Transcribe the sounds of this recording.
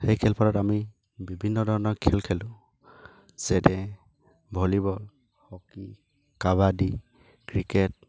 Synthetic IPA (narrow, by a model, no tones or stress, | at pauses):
xejkʰɛlpʰaɾɔtami | bibʱinːɔdʱɔɹɔnɔɹkʰɛlkʰɛlʊ̃ | z̥ɛdɛ | bʱolibɔl | hɔki | kaβadi | kɹikɛt̚